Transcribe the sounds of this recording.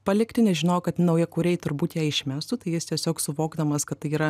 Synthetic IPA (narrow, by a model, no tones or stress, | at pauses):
pɐlʲɪktʲɪnʲɛʒʲɪnoːjokɐt̪nɐʊjɛkʊɾʲɛɪt̪ʊɾbuːt̪jæːɪʃʲmʲæːst̪ʊt̪ɐɪjɪst̪ʲiɛsʲoːksʊʋoːɡd̪ɐmɐskɐt̪t̪ɐɪiːɾɐ